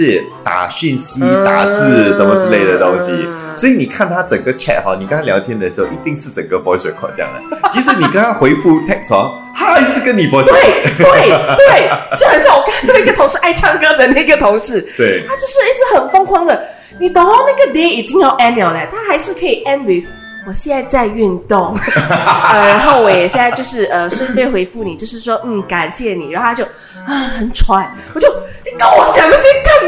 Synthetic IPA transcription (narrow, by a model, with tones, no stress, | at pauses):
ʂɻ̩˥˩ | t̪a̰˨˩ɕy˥˩nɕi˥t̪a̰˨˩t͡sɹ̩˥˧ʂə˧˥nmə˧t͡sɹ̩˥˧˥le˥˩ɪd̪ə˨˩t̪ʊ˥ŋɕi˨ | swɔ˧˥i˧˨ni˨˩kʰa˥˩nt̪ʰa˥t͡sə˨˩ŋɡə˦t͡ɕʰɛ̰˥˩t̚hɑ˧˦ni˨˩kə˥ŋt̪a˥ljɑ˧˥ʊt̪ʰjɛ˥nd̪ə˨ʂɻ̩˧˥xo˥˧ʊʔḭ˧˥t̪i˥˧ŋʂɻ̩˥˩t͡sə˨˩ŋɡə˦pwɔ˧˥ɕɛ̰˨˥˩kʰwɔ̰˨˩t͡ɕjɑ̰˥˩ŋd̪ə̰˩t͡ɕʰi˧˥ʂ̬̩˧˥ni˨˩kə˥nt̪ʰa˥xwe˧˥ɪfu˥t̪ʰɛ˥˧k̚sɑ˧˥ŋ | ha˥˧˥ʂɻ̩˥˧kə˦˥nni˨˩pwɔ˧˥ɕt̪we˥˩ɪt̪we˥˩ɪt̪we˥˩ɪt͡ɕo˥˩ʊxɑ˨˧˩ʊɕja˥˩ŋwɔ˨˩kʰnkɡə˨t̪ʰʊ˧˥ŋʂɻ̩˧ʔa˥˩ɪʈ͡ʂʰɑ˥˧ŋkɤ˥d̪ə˨na˥˩i˥ɡə˨˩t̪ʰʊ˧˥ŋʂɻ̩˥˩˥t̪ʰa˥t͡ɕjo˥˧ʊʂɻ̩˥˧i˥t͡s̩˥˩xə˨˩nfɑ˥ŋkʰwɑ˥ŋd̪ə˨ | ni˨˩t̪ɑ˨˩ʊt̪ɑ˥˧na˥˩ɡə˩d̪e˧˥i˨˩t͡ɕi˥ŋjɑ˥˩ʊʔɛ˥nmjɑ˧˩ʊla˨˩t̪ʰa˥xa˧˥ɪʂɻ̩˥˩kʰɤ˧˥i˨˩ʔɛ˥nwi˧˥˩f | wɔ˨˩ɕjɛ˥˧na˥˧ɪt͡sa˥˧ɪy˥˧nt̪ʊ˥˩ŋ˧˩ | ɻa˧˥nxo˥˩ʊwɔ˧˦jɛ˨˩ɕjɛ˥˧na˧jo˥˧ʊʂɻ̩˥˩ʔə˧˩ʂə˥˧n˥p̬e˥˧ɪxwe˧˥ɪfu˥˩ni˨˩t͡ɕjo˥˧ʊʂɻ̩˥˩ʂwɔ˥n̩˥˩ka˨˩nɕjɛ˥˩ni˨˩ɻa˨˧˥xo˥a˥t͡ɕo˥˩ʊ | ɐ˥˩xə˨˩nʈ͡ʂʰwa˧˥˦n | wɔ˨˩t͡ɕjo˥˩ʊni˨˩kə˥nwɔ˨˦t͡ɕjɑ˨˩ŋə˧˥ɕɛ˥nkə˥˩ŋ